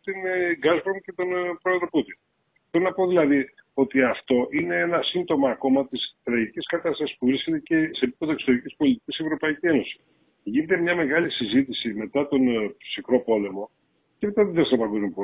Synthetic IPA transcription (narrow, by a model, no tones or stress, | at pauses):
t̪inɡɐzbɾonce̞t̪o̞npɾo̞eðɾo̞put̪in | θeɾonɐpoðilɐði | o̞t̪iɐft̪o̞ʔine̞enɐsind̪o̞mɐːko̞mɐt̪isθɾɐʝiciskɐt̪ɐst̪ɐsispuvɾisce̞t̪ece̞se̞ːpi̥pe̞ðokso̞t̪eɾicispo̞lit̪icisievɾo̞pɐicie̞no̞si̥ | ʝine̞t̪e̞mɲɐme̞ɣɐlisizit̪isime̞t̪ɐt̪o̞nsikɾo̞po̞le̞mo̞ | cemet̪ɐðeðesnɐpɐɡo̞zmjopo